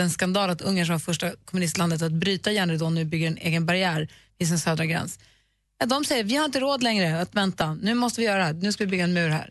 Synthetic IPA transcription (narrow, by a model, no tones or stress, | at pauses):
ɛnskand̪ɑːlat̪ɵŋːəʂ̬ɔ̃mvaɾfœʂʈakʰɔmɵnɪst̪land̪ət̪at̪̚bɾyːt̪ajɛːɳɾd̪ɔːnvɪbʏɡːəɾɛnʔḛːɡənbaɾɪæːɾvɪs̬ɛnsøːd̪ɾaɡɾɛ̰ns | jad̪ɔmsɛjːəɾvɪhaɾɪnt̪əɾoːd̪lɛŋɾəat̪vɛnt̪anʉ̟ːmɔst̪əvɪjœːɾad̪ɛhæːnʉ̟ːskavɪbʏɡːaɛnmʉ̟ːɾhæ̰ːɾ